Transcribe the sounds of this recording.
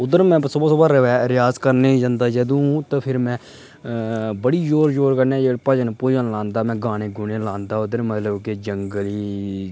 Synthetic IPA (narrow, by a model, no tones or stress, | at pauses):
ʊd̪əɾmɛ̃ːsʊbaːsʊbaːɾəʋɛːɾɪjaːzkəɾneːd͡ʒãːnd̪aːd͡ʒəd̪õːt̪ə̃pʰɪɾmɛ̃ː | bəɽiːd͡ʒoːɾd͡ʒoːɾkəɾnẽːd͡ʒeːɽpəd͡ʒənːpʊd͡ʒanlãːnd̪aːmɛ̃ːɡaːɽ̃ẽːɡʊneːlãːnd̪aːʊd̪əɾmət̪ləbked͡ʒəŋɡəliː